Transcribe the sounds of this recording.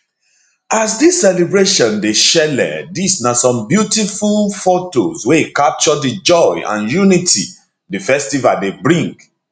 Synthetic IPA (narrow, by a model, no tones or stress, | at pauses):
asdisːɛlibɹeʃɔ̃ndeʃɛlɛ̰disnasɔ̃mbjutifulfotoswekap̚t͡ʃɔdid͡ʒɔɪã̰njunitʰḭ | difɛstivadebɹĩŋɡ